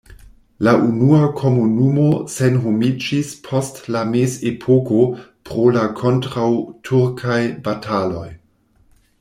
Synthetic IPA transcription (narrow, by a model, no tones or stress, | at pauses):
laʔunuakʰo̞munumo̞senɦomid͡ʒispʰo̞stlamesepʰokopɾolakʰo̞ntɾawtʰuɾkʰajbatʰalo̞j